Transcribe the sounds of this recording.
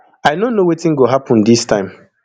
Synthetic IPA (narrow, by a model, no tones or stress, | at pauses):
aɪnõnowetĩnɡoɦapʰɔ̃ndistʰãɪ̃m